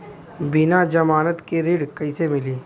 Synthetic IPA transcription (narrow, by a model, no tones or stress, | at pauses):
bɪnad͡ʒɐmaːnət̪keɾiːɽkɐɪsemɪliː